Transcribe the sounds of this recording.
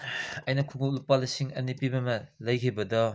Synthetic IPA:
ɐjnɐkʰuŋuk̚lupalɐsiŋɐ̰nipibɐmɐlɐjkʰibɐdɔ

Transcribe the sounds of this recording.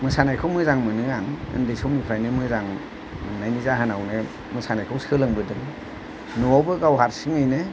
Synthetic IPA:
mɯsanajkʰɯwmɯzaŋmɯnɯaŋɯ̰ndejsawnipʰɾajnɯmɯzaŋ | mɯnːajnizaɦanawnɯ | mɯsanajkʰawsɯlɯŋbɯdɯŋ | nɔawbɯɡawɦaɾsɯŋɯjne

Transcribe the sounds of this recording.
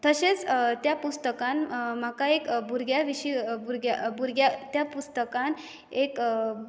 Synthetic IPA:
t̪əɕet͡st̪japust̪əkãnm̤akaekbuɾɡjaʋiɕibuɾɡjabuɾɡjat̪japust̪əkãn | ek

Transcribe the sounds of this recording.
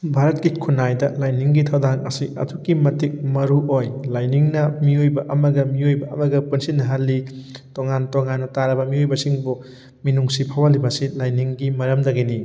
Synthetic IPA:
bʱaɾɐt̚kikʰunajdɐlajniŋɡitʰɐwdaŋɐsiʔɐ̰tʰukimɐtik̚mɐɾuʔojlajniŋnɐmiojbɐʔɐmɐɡɐmiojbɐʔɐmɐɡɐpunsinːɐɦalːitoŋantoŋanːɐtaɾɐbɐmiojbɐsiŋbu | minuŋsipʰawalibɐsilajniŋɡimɐɾɐmdɐɡeni

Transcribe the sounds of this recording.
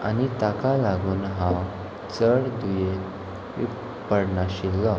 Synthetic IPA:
a̰nit̪akalaɡuːnɦã | t͡səɽd̪uje | ḭ | pəɽɳaɕilːɔ

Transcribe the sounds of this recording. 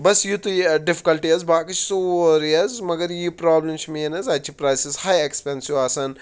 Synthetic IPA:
bɐsjut̪uɖɪfi̥kɐlʈiɐzbaːkɐt͡ʃʰsoːɾiɐzmɐɡɐɾjipɾaːblɐmt͡ʃʰmeːnɐzɐt͡ʃʰipɾaːjsizhajekspensjuʋaːsɐn

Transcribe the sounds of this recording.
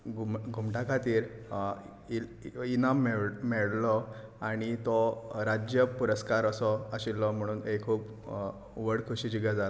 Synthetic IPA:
ɡʱumɡʱumʈakʰat̪iːɾ | iinamːɛɭmɛɭlɔ | aɽ̃it̪ɔɾad͡ʑjəpuɾəskaɾəsɔəɕilːɔm̤əɽ̃uːnekʰuːp | ʋəɽkʰuɕiːd͡ʑuɡjad͡zal

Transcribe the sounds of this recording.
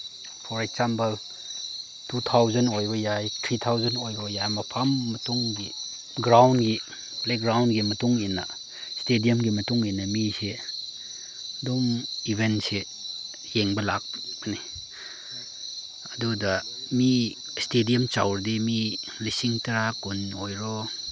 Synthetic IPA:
pʰɔɾeksampɐl | tut̪ʰawzɐnojbɐjajtʰɾit̪ʰawzɐnojbɐjajmɐpʰɐmːɐtuŋɡi | ɡɾawnɡi | plek̚ɡɾawnɡimɐtuŋinːɐ̰ | stedijɐmɡimɐtuŋinːɐmise | domibʱense | jeŋbɐlak̚bɐni | ɐdudɐmi | stedijɐmt͡ʃa̰wɾdimilisiŋtɐɾakunojɾɔ

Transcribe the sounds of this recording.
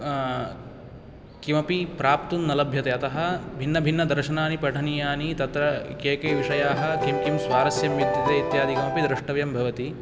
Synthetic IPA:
kimɐpipɾaːpt̪unːɐlɐbʱjɐt̪eːɐt̪ɐɦɐ̆bʱinːɐbʱinːɐd̪ɐɾʃɐnaːnipɐʈʰɐnijaːnit̪ɐt̪ɾɐkeːkɐːʋiʂɐjaːɦɐ̆kimkimsʋaːɾɐsjɐmjud̪ʱjɐt̪eːit̪jaːd̪ʱikɐmɐpid̪ɾɪʂʈɐʋjɐmbʱɐʋɐt̪i

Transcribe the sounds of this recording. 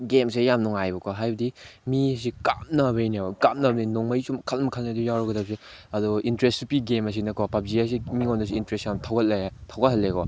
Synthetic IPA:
ɡemsejamnɔŋajbɐkʰɔɦajbɐdimis̬ikamnɐbejnekamnɐbninɔŋmɐjsumkʰɐlmkʰɐlnedujawɾɔɡɐdɐp̚se | ɐduintɾesipiɡemɐs̬inɐkʰɔpap̚zijas̬imiŋondus̬iintɾesjamtʰawɡɐt̚letʰawɡɐɦɐlːekɔ

